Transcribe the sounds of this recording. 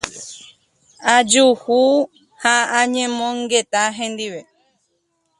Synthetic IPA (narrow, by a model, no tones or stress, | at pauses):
ad͡ʒuhu | haãɲẽmõŋɡet̪aɦẽnd̪iʋe